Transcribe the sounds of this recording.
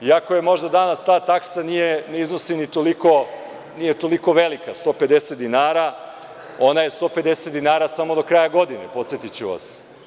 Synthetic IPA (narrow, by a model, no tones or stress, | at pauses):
iakoje̞mo̞ʒd̪ad̪anast̪aːt̪aksanijeneiznosinit̪oliko̞ | nije̞t̪o̞liko̞ʋe̞likast̪o̞ːpe̞d̪eset̪d̪inaːɾa | o̞naje̞st̪o̞ːpe̞d̪e̞set̪d̪inaːɾasamo̞d̪o̞kɾaːjaɡo̞d̪inḛpo̞t̪sjet̪it͡ɕuʋa̰s